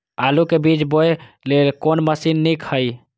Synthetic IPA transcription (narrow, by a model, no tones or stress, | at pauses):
alukebit͡ʃboe | lelkonməsinːikʰhəj